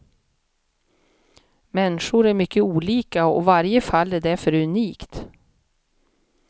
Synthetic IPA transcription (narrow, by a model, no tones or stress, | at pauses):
mɛnːʂʊɾæɾmʏkːəuːliːkaɔ̰vaɾjəfalːæɖæɾfœɾʉniːkt̪